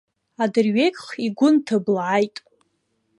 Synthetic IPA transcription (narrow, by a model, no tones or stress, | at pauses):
adɨrɥejkʲʼχiɡʷʊntʰablʕajtʼ